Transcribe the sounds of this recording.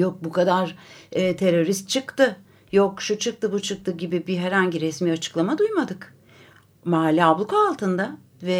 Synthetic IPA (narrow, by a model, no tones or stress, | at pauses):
jok̚bukʰad̪aɾɯt̪ʰe̞ɾo̞ɾist̪̚t͡ʃʰɯkt̪ɯ | jokʃut͡ʃʰɯk̚t̪ɯbut͡ʃʰɯk̚t̪ɯɟibibiɦɛɾhaɲɟiɾɛsmiːat͡ʃʰɯ̥klˠamad̪ujmad̪ɯk | maɦalʲːiablˠukʰaːlˠt̪ʰɯnd̪a | vɛ